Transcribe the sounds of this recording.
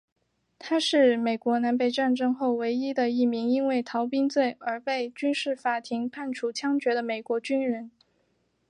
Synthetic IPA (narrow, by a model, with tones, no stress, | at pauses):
t̪ʰa˥ʂɻ̩˥˩me˨˩ɪkwɔ˧˥na˧˥npe˥˧ɪʈ͡ʂa˥˧nʈ͡ʂɤ˥ŋxo˥˩ʊwe˧˥ɪi˥d̪ə˨i˥˩mi˧˥ŋi˥nwe˥˩ɪt̪ʰɑ˧˥ʊpi˥ŋt͡swe˥˩ɪə˞˧˥pe˥˩ɪt͡ɕy˥nʂɻ̩˥˩fa˧˥˩t̪ʰi˧˥ŋpʰa˥˩nʈ͡ʂʰu˨˩t͡ɕʰjɑ˥ŋt͡ɕɥɛ˧˥d̪ə˧me˨˩ɪkwɔ˧˥t͡ɕy˥nɻə˧˥n